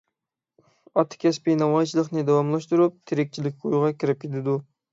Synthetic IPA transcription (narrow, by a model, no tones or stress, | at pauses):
ɑt̪ʰːɪ̥kʲɛspɪnɑmɑjt͡ʃʰilˠəqnɪd̪ɛwɑmlˠɑʃt̪uɾup̚t̪ʰeɾɪk̚ʲt͡ʃʰilɪkʲujʁɑkʲʰiɾɪp̚kʲʰet̪ʰɪd̪u